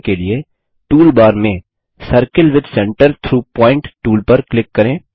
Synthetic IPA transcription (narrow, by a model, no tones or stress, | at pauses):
kelie | ʈuːlbaːɾmẽ | səɾkəlʋɪd̪sɛ̃ːɳʈəɾt̪ʰɾuːpɔ̃ːɪ̃ɳʈʈuːlpɐɾklɪkːɐɾẽː